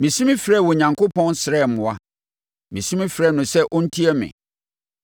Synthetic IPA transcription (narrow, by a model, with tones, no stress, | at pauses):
mĩ˨sĩ˦mɪ̃˦fɾɛː˦˨wɔ˨ɲã˨ŋkʰo˦pʰɔ̃˦nsɪ˨ɾɛ˦˨mʊ̃˨a˦ | mĩ˨sĩ˦mɪ̃˦fɾɛ˦˨nʊ̃˨sɛ˦ʔɔ˦n̩˦tʰi˦ɛ˦mɪ̰̃˨